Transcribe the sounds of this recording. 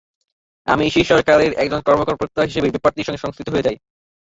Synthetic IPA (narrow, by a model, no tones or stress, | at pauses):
a̰miʃiʃɔɾkaɾeɾɛk̚d͡ʑonkɔɾmokoɾpɾok̚t̪aɦiʃebebipaɾt̪iʃɔŋɡeʃɔŋst̪ʰit̪oɦoed͡ʑaj